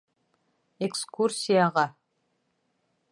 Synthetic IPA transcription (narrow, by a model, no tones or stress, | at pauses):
ekskursʲijaʁɑ